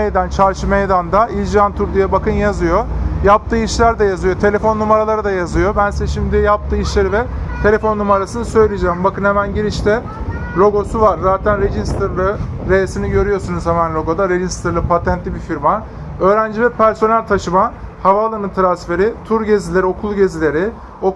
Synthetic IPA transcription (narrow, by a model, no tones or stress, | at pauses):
ejd̪ant͡ʃʰaɾʃɯmejd̪and̪ailʲd͡ʒiant̪ʰuɾd̪ijabakɯnjazɯjo̞jap̚t̪ʰɯːiʃlʲæɾd̪ɛjazɯjo̞t̪ʰe̞lʲe̞fo̞nːumaɾalˠaɾad̪ajazɯjo̞bænsɛʃimd̪ijap̚t̪ʰɯːiʃlʲeɾivɛt̪ʰe̞lʲe̞fo̞nːumaɾasɯnɯsø̞jlʲijd͡ʒɛːmbakɯnhemænɟiɾiʃt̪ʰɛ | lʲo̞ɡo̞suvaɾzaːt̪ʰænɾed͡ʒist̪ʰɾlˠɯɾejesiniɟø̞ɾyjosunuz̥hemænlʲo̞ɡo̞d̪aɾe̞ʒist̪ɯɾlˠɯpʰat̪ʰænt̪lʲibifiɾma | ø̞ːɾænd͡ʒivɛpʰæɾso̞nælʲt̪ʰaʃɯmahavalˠanɯnt̪ɾansfe̞ɾit̪ʰuɾɟe̞zilʲe̞ɾio̞kʰulˠɟe̞zilʲe̞ɾɪ | o